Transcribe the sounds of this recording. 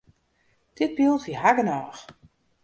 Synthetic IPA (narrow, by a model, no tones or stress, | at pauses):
d̥ɪt̚bilˠfiɦaɡənɔːx